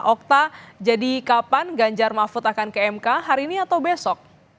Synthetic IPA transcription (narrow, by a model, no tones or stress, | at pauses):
ʔɔk̚t̪ad͡ʒadikapanɡaɲd͡ʒarmafʊt̪akankaɛmkaɦaɾiːniat̪awbesɔk̚